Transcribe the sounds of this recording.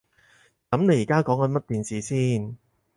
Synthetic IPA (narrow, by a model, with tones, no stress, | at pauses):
kɐ˨˥mne˨˧jiː˨˩kaː˥kɔː˨˥ŋkɐ˨˧˥nmɐ˥t̚t̪iː˨nsiː˨siː˥n